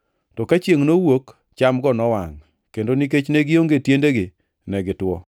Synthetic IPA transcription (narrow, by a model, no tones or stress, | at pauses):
tɔkat͡ʃjeŋnowok | t͡ʃamɡɔnɔwaŋ | kendonik̬et͡ʃneɡɪjoŋɡetjendeɡɪ | nɛɡɪtwɔ